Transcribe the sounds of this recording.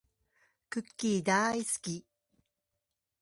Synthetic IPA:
kɯ̟kʲːiːd̪aːisɨ̥kʲi

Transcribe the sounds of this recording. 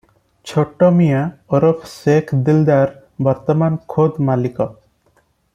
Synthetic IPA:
t͡ʃʰoʈːɔmijaɔɾɔpʰsekʰd̪ild̪aɾ | bɔɾt̪ɔmankʰod̪malikɔ

